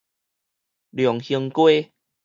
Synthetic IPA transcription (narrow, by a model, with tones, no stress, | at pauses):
ljɔ˨˩˦ŋhi˧əŋkwe˦